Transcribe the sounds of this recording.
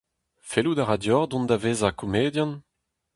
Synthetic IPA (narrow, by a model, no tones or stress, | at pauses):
felud̪aʁad̪jɔʁd̪ɔ̃nd̪aveːzakomeːd̪jãn